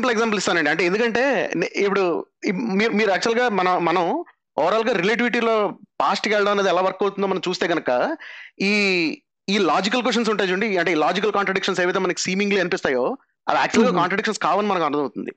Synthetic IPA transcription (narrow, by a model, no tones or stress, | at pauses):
mpɐleɡzaːmpɐlist̪aːnɐɳɖiɐɳʈ̬e̞end̪ukɐɳʈe̞ːnipuɽuimiːɾumiːɾuaːk̚t͡ʃuɐlɡaːmɐnɐmɐnɐm | ɔːɾaːlɡaːɾileʈ̬iʋiʈiːlo̞ːpaːsʈikɛɭɽɐmɐneːd̪iɛlaːʋɐɾkoːt̪und̪oːmɐnɐ̃mt͡ʃuːst̪eːɡɐnɐkɐiː | iːlaːd͡ʒikɐlk̬weʂ̬ʈɐns̬uɳʈeːd͡ʒuɳɖiɐɳʈeiːlaːd͡ʒik̬ɐlkaːɳʈɾɐɖikʂɐns̬eːʋit̪̬emɐnɐki̥siːmiŋɡliːɐnipist̪aːjo̞ː | ɐ̰d̪ia̰ːk̚t͡ʃuɐlɡaːkaːɳʈɾɐɖikʂɐnskaːʋɐnimɐnɐkɐnd̪ɐ̃mɐwt̪und̪ḭ